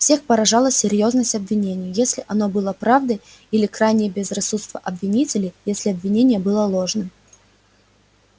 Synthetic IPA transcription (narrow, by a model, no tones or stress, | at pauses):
fsʲe̞xpəɾɐʐalˠəsʲːɪɾʲjo̞znəsʲtʲɐbvʲɪnʲenʲɪjʊjesʲlʲɪʔɐno̞bɨlˠəpɾavd̪ɨ | ilʲɪkrajnʲɪjəbʲɪzrɐsut̪st̪vʲəʔɐbvʲɪnʲitʲɪlʲɪjesʲlʲɪɐbvʲɪnʲenʲɪjəbɨlˠəlˠo̞ʐnɨm